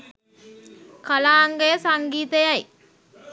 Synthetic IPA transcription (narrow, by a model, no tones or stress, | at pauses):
kalaːŋɡəjəsaŋɡiːt̪əjaj